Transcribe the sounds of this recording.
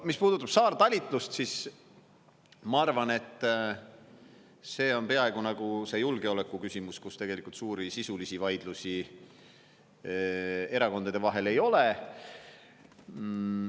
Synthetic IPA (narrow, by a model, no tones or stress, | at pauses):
mispuːd̪ut̪ːˑɑb̥sɑːrt̪ɑlʲit̪ːˑlust̪sis | mɑɑrvɑne̞t̪ːˑ | se̞ːo̞npe̞ɑe̞ɡ̥unɑɡ̥use̞julɡ̥e̞o̞le̞kːˑukysʲimuskust̪e̞ɡ̥e̞likˑult̪suːɾisisulisivɑjd̪̥lusi | e̞ɾɑko̞nd̪ɑd̪e̞vɑɦe̞le̞jo̞le